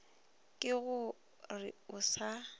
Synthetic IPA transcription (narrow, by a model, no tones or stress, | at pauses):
kʼɪɣʊ | rɪ̰ʊsa